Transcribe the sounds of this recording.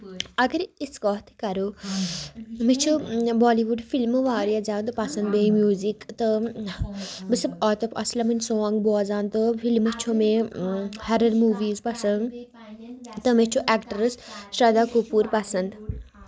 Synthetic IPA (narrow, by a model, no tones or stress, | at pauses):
ɐɡəɾiskɔːt̪ʰkɐɾo | mit͡ʃʰubɔːliːʋuɖfilmʋaːɾjad͡ʒaːt̪ɨpɐsɐnd̪beimjuːzikt̪ɨ | bɨsɐbɔːt̪opɐslamɐnʲsoːŋɡboːzãːnt̪ɨfilmɨt͡ʃʰomẽ | hɐɾɐɾmuːʋiːzpɐsɐnd̪ | t̪ɨmet͡ʃʰuʔɛːkʈəɾsʃɐd̪aːkupuːɾpɐsɐnd̪